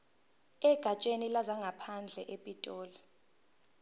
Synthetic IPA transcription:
ɛɡ̥ʱat͡ʃʼenilazaŋɡʱapʰand͡ɮʱɛʔepʼitʼɔːla

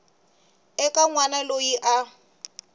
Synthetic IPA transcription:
ɛkʼaŋwanalojiʔa

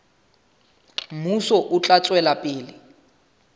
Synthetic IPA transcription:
musɔʔʊt͡ɬʼat͡sʼwɛlapʼɪːlɪ

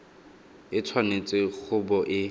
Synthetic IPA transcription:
ɪt͡sʰwanet͡sʼɪk͡xʰʊbɔʔɪ

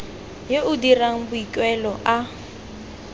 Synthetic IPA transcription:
jeʔʊdiraŋ̩bʊikʼwɛlɔʔa

